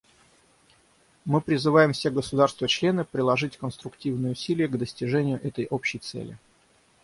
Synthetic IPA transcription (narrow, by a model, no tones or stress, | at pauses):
mɨpɾʲɪzɨvajɪmfsʲeɡəsʊd̪arst̪vət͡ɕlʲe̞nɨpɾʲɪlˠɐʐɨtʲkənst̪ɾʊktʲivnɨjəʊsʲilʲɪjəɡd̪əsʲtʲɪʐɛnʲɪjʊʔɛt̪əjʔopɕːɪjt̪sɛ̰lʲɪ̰